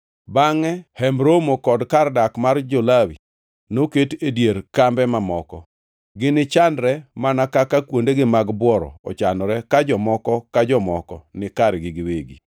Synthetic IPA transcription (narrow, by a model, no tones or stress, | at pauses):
baŋɛhɛmbɾomokɔdkardakmard͡ʒolawḭ | noketedjeɾkambɛmamɔkɔ | ɡɪnɪt͡ʃandɾɛmanakakakwondeɡɪmaɡbwɔɾɔ̰ɔ̰t͡ʃanɔɾɛkad͡ʒɔmɔkɔkad͡ʒɔmɔkɔ̰nɪkaɾɡɪɡɪweɡi